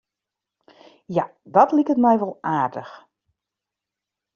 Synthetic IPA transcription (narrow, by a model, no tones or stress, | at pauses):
jadɔtlikətmɛjʋɔlˠaːrdəx